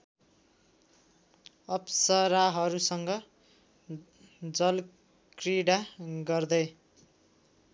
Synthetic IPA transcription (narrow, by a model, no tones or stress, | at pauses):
ʌpsʌɾaɦʌɾusʌŋɡʌ | d͡zʌl | kriɽaɡʌrd̪ʌj